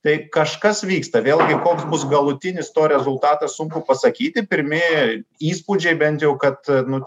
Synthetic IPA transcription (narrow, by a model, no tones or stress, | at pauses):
t̪ɐɪkɐʃkɐsʋʲiːkst̪ɐʋʲeːlʲˠɡʲɪkoːksbʊsɡɐlˠʊt̪ʲɪnʲɪst̪oːɾʲɛzʊlˠt̪ɑːt̪ɐssʊŋkʊpɐsɐkʲiːt̪ʲɪpʲɪɾʲmʲɪiːspud͡ʒʲɛɪbʲɛnʲt̪jɛʊkɐt̪nʊ